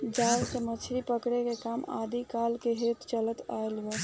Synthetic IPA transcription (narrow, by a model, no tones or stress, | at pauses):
d͡ʒalkemət͡ʃʰɾipəkɽekekama̰d̪ikalkeɦet̪t͡ʃələt̪aelbə